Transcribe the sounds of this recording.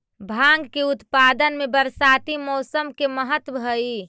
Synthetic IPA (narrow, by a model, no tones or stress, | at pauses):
bʱãŋɡkeut̪pad̪ənmebəɾsat̪imɔsəmkeməɦət̪bʱəi